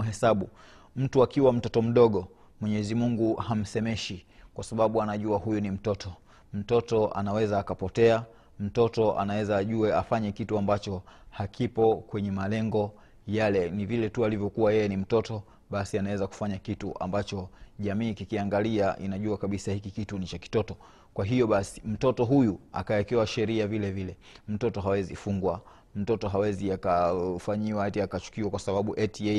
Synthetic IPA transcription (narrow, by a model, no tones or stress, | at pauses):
ɦɛsaɓu | m̩tuakiwam̩tɔtɔm̩ɗɔɠɔ | mwɛɲɛzimuŋɡuham̩sɛmɛʃikwasaɓaɓuanaʄuahujunim̩tɔtʰɔ | m̩tɔtɔʔa̰nawɛzaːkapɔtɛa | m̩tɔtɔʔa̰nawɛzaːʄuɛafaɲɛkituambat͡ʃɔhakʰipɔkwɛɲɛmalɛŋɡɔ | jalɛnivilɛtualivjɔkuwajɛjɛnim̩tɔtɔ | ɓasianawɛzaku̥faɲakitṵʔa̰mbat͡ʃɔʄamiːkikiaŋɡaliaʔḭnaʄuakaɓisahikikitunit͡ʃaki̥tɔtɔ | kwaɦijɔɓasi̥m̩tɔtɔɦujua̰kaɛkɛwaʃɛɾiavilɛvilɛ | m̩tɔtɔɦawɛzifuŋɡwa | m̩tɔtɔɦawɛziakafaɲiwatiakat͡ʃu̥kiwakwasaɓaɓuʔɛtiɛ